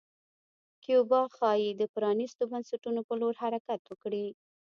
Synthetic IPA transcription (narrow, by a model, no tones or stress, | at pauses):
kjobɑxɑjed̪əpɾɑnist̪obansaʈunopəloɾhaɾakat̪wəkɽi